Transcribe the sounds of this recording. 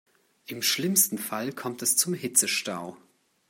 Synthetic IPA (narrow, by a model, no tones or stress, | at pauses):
ʔɪmʃlɪmstn̩falkʰɔmtɛst͡sʊmhɪt͡səʃtaʊ